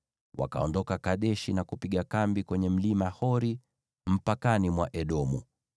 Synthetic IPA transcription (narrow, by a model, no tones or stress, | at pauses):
wa̰ka̰ɔndɔkakaɗɛʃinakupiɠakambikwɛɲɛm̩limahɔɾi | m̩pakanimwaʔɛɗɔmṵ